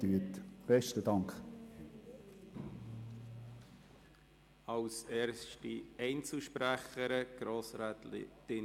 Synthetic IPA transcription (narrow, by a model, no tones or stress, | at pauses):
yətb̥ɛʃtədɑŋkχ | ɑwsɛːɾstiɛɪnt͡suʃpɾæχəɾəɡ̥ɾoːsɾaːtl̰tɪ